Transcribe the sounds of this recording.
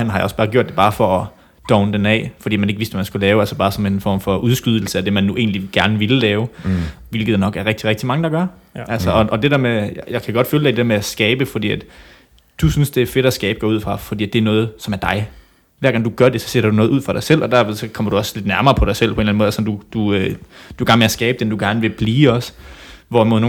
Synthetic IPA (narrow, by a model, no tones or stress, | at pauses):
hænhɑjɑɒ̽sb̥ɑ̈ːɡ̥jo̰d̥̚e̝b̥ɑ̈ːfɒ̽ɒ | d̥ɒʊnəd̥enɛ̰ːfɒ̽d̥ḭːæmæne̝ɡ̥ʋe̝sd̥ʋæmænsɡ̥ulɛːʊælsɒb̥ɑ̈ːsɒ̽me̝nfɒ̰ːmfɒ̽ʔuðˠsɡ̥yð̞ˠl̩səæd̥e̝mænːuʔe̝ːnliɡ̥æɐnəʋe̝llɛːʊʋe̝lɡ̥ð̩̥ˠnɒ̽ɡ̥æɐʁeɡ̥̚d̥iʁɛɡ̥d̥imɑ̈ŋəd̥ɑ̈ɡ̥ɶɐ | ʔælsɒɒ̽ʔɒd̥e̝d̥ɛɐmejjɑ̈ɪkʰæɡ̥ɒ̽d̥føːl̥ɑ̈d̥e̝̥eɐmeæsɡ̥ɛːb̥əfɒd̥ḭːæd̥ | d̥usynsd̥e̝æɐfe̝ɾ̥æsɡ̥ɛːb̥əɡ̥ɒːuð̰ˠfʁɑ̈fɒ̽d̥ḭːæd̥e̝ɐnɔːð̞̩ˠsɒ̽mæɐd̥ɑ̈ɪ | ʋæɐɡɑ̈ŋd̥uɡ̥ɶɐd̥e̝sɒ̥̽seɾɐd̥unɔ̽ːð̩ˠuð̰ˠfʁɑ̈ɾ̥ɑ̈ɪsel̰ʔɒ̽d̥æɐ̰ʋeðˠsɒ̽kʰɒ̽m̰ɐɾ̥uɒ̽sle̝d̥næɐmɐːpʰɒɾ̥ɑ̈ɪsel̰pʰɒe̝nlænmoːðˠæsɒ̽md̥ud̥uød̥uɡæɐnmeæsɡ̥ɛːb̥əd̥end̥uɡ̥æɐnəʋe̝b̥liːɒ̽sʋɒmo̝ðˠno